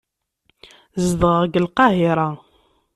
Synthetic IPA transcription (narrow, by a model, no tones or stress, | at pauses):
zðəʁəɡəlqɑɦiɾˤɑ